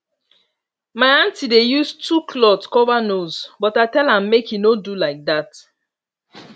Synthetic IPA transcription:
maɪãntidejustʰukʰlɔtskɔvanozbɔtaɪtɛlãmːekinodulaɪk̚dat

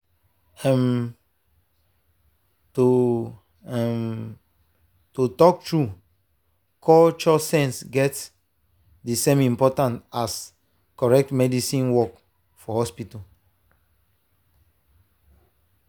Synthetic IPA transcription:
ɛ̃m | to | ɛ̃m | tutɔk̚tɹu | kʰɔt͡ʃɔsɛ̃nsɡɛt | dəsẽmĩmpɔtãntas | kɔɹɛk̚tmɛdisĩnwɔk | fɔhɔspita

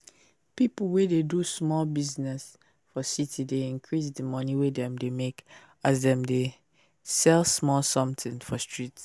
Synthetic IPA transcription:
pipl̩ˠwededusmɔlbiznɛs | fɔsitʰideĩnkʰɹisdəmɔniwedɛ̃mdemek | azdɛ̃mde | sɛlsmɔlsɔ̃mtɪ̃ŋfɔstɹit

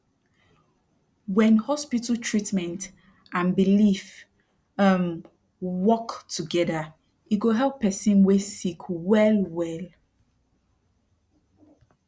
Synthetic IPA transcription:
wɛ̃nhɔspitəltʰɹ̥itmɛ̃nt | ʔãnbilif | ʌm | wɔktʰuɡɛðə | iɡoɦɛlˠpʰːɛsĩnwesikʰwɛlwɛl

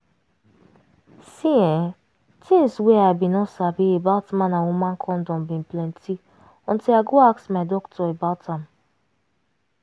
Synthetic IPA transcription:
sĩɛ | tʰĩnsweabĩnɔsabiebaltmãnawumãkʰɔ̃n̩dɔ̃mbĩn̩plɛ̃ntʰi | ɔ̃n̩tiaɡoaksmadɔktʰɔebaltãm

